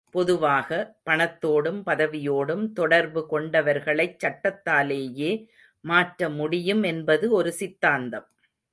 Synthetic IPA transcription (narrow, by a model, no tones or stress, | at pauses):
pɔðɯʋaːɣɐpɐɳɐt̪ːoːɽɯmpɐðɐʋɪjoːɽɯmt̪ɔɽɐɾbɯkɔɳɖɐʋɐɾɣɐɭɐɪt͡ʃːɐʈːɐt̪ːaːleːjeː | maːʈɾɐmʊɽɪjɯmɛnbɐðɯɔɾɯsɪt̪ːaːnd̪ɐm